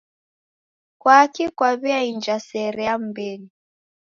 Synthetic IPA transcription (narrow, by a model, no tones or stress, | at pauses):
kwaːkikwaβiaind͡ʒasɛɾɛam̩bɛli